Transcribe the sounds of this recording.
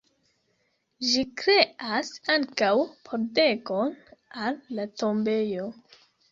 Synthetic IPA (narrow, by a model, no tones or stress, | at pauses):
ʒikɾe̞asaŋkawpʰo̞ɾde̞ko̞nalːato̞mbe̞jo̞